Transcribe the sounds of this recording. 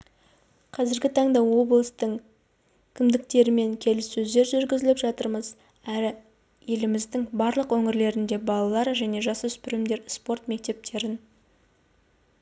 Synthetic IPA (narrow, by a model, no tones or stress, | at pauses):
qʰɑzɪɾɡʲɪt̪ʰɑɴd̪ɑwo̞blˠst̪əɴ | kʲʰɪmd̪ɪk̚t̪e̞ɾɪme̞ŋkʲʰe̞lɪsːɵzd̪e̞ɾʒʏɾɡʲɪzɪlɪpʒɑt̪əɾməz | æɾɪ | je̞lɪmɪzd̪ɪŋbɑɾlˠəqwɵŋɪɾle̞ɾɪnd̪e̞bɑlˠɑlˠɑɾʒæne̞ʒɑsəʏspɪɾɪmd̪e̞ɾspo̞ɾt̪me̞k̚t̪e̞p̚t̪ʰe̞ɾɪn